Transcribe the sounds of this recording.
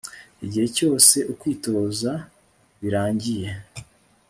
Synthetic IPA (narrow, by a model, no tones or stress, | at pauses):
iɟihe̞co̞ːse̞ʔukwiːto̞za | βiɾaːɲɟije̞